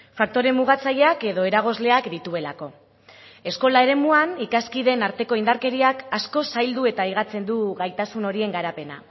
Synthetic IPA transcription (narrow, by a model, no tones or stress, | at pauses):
fak̚t̪o̞ɾe̞mːuɣ̞at͡saʎeake̞ðo̞e̞ɾaɣ̞o̞zle̞akd̪it̪ue̞lako̞ | e̞sko̞lae̞ɾe̞muanikaskiðe̞naɾt̪e̞ko̞ind̪aɾke̞ɾiakasko̞sajld̪ue̞t̪aiɣ̞at͡se̞nd̪uɣajt̪asuno̞ɾie̞ŋɡaɾape̞na̰